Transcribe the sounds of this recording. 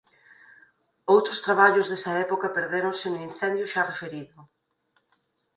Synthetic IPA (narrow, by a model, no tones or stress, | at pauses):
owt̪ɾʊst̪ɾaβaʎʊzðesɐɛpokɐpeɾðeɾonsenʊinθɛnd̪jʊʃarefeɾiðʊ